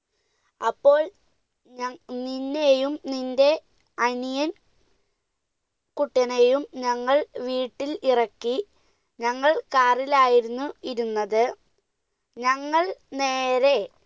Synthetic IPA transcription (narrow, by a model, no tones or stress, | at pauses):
ɐpːo̞ːɭ | ninːe̞jumninde̞ | ɐnijɐn | kuʈːɐnejumɲɐŋːɐɭʋiːʈːilirɐkːi | ɲɐŋːɐɭkaːrilaːjiɾunːuiɾunːɐðɨ | ɲɐŋːɐɭne̞ːɾe̞